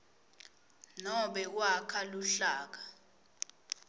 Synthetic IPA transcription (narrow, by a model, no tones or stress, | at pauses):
nɔɓɛwakʰaluɬaːk̬ḁ